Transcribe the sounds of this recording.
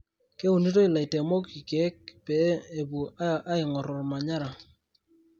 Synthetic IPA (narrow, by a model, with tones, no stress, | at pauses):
ke˦u˨ni˦to˦ɪ˨la˨i˨te˨mo˦ki˨kɛ˨˦k̚pe˨˦e˨bu˨ʔa˦ɪ˨ŋɔ˨ɾɔ˨rma˨ɲa˦ɾa˨